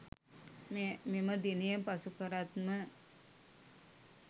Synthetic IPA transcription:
mememəd̪inijəpasukəɾat̪mə

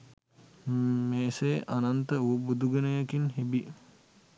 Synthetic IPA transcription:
meːsejʔanant̪əubud̪uɡənəjakinɦibi

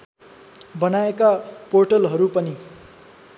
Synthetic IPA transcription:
bʌnaekaporʈʌlɦʌɾupʌni

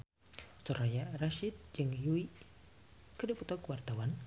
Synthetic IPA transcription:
sɔrajaraʃid̪̚d͡ʒɨŋjui | kədiput̪ɔkuwart̪awan

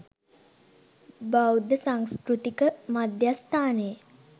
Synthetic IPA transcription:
bawd̪əsaŋskɾut̪ikəmad̪jast̪aːnəjə

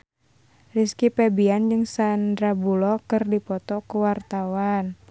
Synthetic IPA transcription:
riskipɛbiand͡ʒɨŋsandɾabulɔkɨrdipɔt̪ɔkuwart̪awan

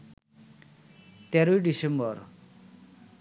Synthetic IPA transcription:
t̪eɾujɖisembʌr

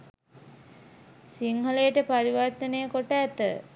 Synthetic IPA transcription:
siŋɦəlejəʈəpaɾiʋart̪ənejəkoʈəːt̪ə̰

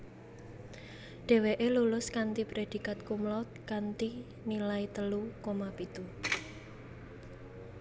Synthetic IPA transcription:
ɖ̪̥e̤weʔelulʊskant̪ipɾed̪̥i̤kat̪̚kumlɔt̪̚kant̪i | nilait̪əlukomapit̪u

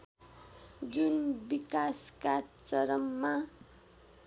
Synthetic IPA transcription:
d͡zunbikaskat͡sʌɾʌmːa

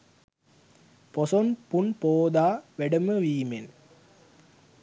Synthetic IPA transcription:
pɔsɔnpunpoːd̪aːʋeɽɐmɐʋiːmen

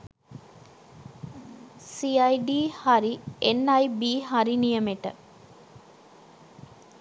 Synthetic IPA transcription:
siɐjɖiːhaɾienɐjbiːɦaɾinijɐmeʈə̰

